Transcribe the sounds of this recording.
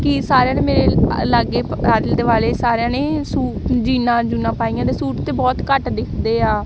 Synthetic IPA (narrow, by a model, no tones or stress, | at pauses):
kɪsaːɾejãːneːmeːɾeːlaɡeːaːɾld̪eːʋaːleːsaːɾeãːneːsuːd͡ʒiːnãːd͡ʒuːnãːpaːiːãːd̪eːsuːʈt̪eːbɔːt̪kəʈd̪ɪkʰd̪eːaː